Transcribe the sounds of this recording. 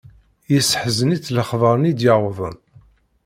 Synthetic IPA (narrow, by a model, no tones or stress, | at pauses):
jəsəħzənit͡sːləχðˤəɾˤnid̪jəʕwəðˤəm